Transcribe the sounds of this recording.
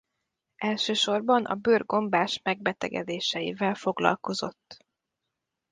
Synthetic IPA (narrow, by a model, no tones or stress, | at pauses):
ʔɛlʃøːʃo̞rbɒnʔɒ̰bøːrɡo̞mbaːʃmɛɡ̚bɛt̪ɛ̰ɡɛ̰d̪eːʃɛjḭvɛlfo̞ɡlɒ̰lko̞zo̞t̪ː